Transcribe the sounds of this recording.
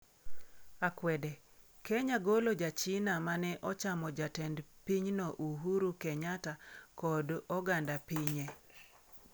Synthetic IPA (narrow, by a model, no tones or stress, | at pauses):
akwɛdɛ | kɛɲaɡolod͡ʒat͡ʃɪnamanɛʔɔt͡ʃamɔd͡ʒatɛndpiɲnɔʔuɦuɾukɛɲatakɔdɔɡandapiɲɛ